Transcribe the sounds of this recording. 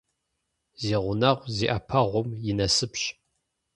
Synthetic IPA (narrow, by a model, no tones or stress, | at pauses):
ziːʁʷʊnɐʁʷziʔɐpʰɐʁʷʊmjɪnɐsɨpɕ